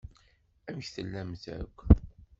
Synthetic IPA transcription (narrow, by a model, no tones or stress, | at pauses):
æmçθəlːæmθæ̰kʷː